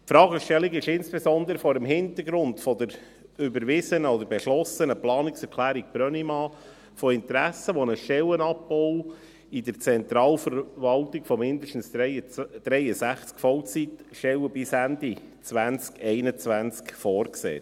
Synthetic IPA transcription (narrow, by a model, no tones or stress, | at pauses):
pfɾɑːɡəʃtɛliɡɪʃɪnsb̥esɔnd̪əɾəfɔɾəmɦɪnt̪əɡɾʊndfɔd̪əɾ | ʏbəɾʋɪzənəɔd̪əɾbɛʃlɔsənəplɑːniksɛɾkʰlæːɾik̚pɾœnimɑː | fɔɪnt̪ɾæsəʋɔnəʃtɛwənɑp̚bɔw | id̪əɾt͡sɛnt̪ɾɑːlfəɾʋɑltikfɔmɪnd̪əʃtn̩s | d̥ɾɛjəsæχt͡skfɔwt͡sit̪ʃɛlwəbɪsænd̪it͡sʋænt͡skʰɛɪnət͡sʋænt͡skfɔːɾksḛː